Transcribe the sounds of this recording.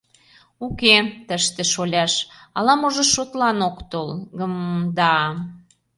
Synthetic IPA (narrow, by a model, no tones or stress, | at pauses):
uket̪əʃt̪eʃolʲɑʃɑlɑmoʒɤ̆ʃot̪lɑnokt̪olɡəmd̪ɑ